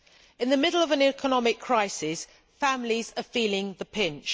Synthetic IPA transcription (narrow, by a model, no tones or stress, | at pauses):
ɪ̃nðəmɪdl̩əvə̃nɛkʰənɒmɪkʰɹ̥aɪsɪs | fãmlizəfiːlɪ̃ŋðəpʰɪ̃nt͡ʃ